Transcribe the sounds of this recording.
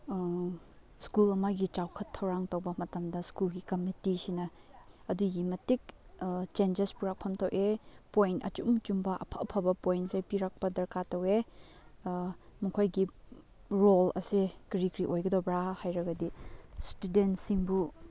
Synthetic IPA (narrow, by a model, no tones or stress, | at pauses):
skulɐmɐɡit͡ʃawkʰɐtʰːɐwɾaŋtɐwbɐmɐtɐmdɐskulɡikɐmitisinɐ | ɐduɡimɐtik̚t͡ʃend͡ʒespuɾak̚pʰɐmtowʔepojntɐ̰t͡ʃumt͡ʃumbɐʔɐ̰pʰɐʔpʰɐbɐpojnsejpiɾak̚pɐdɐɾkatɐwe | mukʰojɡi | ɾolɐ̰sikɾikɾiʔojɡɐdobɾahajɾɐɡɐdistudentsiŋbu